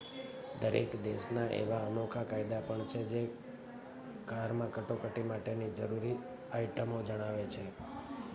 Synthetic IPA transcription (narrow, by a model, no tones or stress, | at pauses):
d̪əɾḛkd̪eʃnaʔḛʋaənokʰakajd̪apəɳt͡ʃʰed͡ʒe | kaɾmãkəʈokəʈimaʈenid͡ʒəɾuɾi | ajʈəmod͡ʒəɽ̃aʋet͡ʃʰe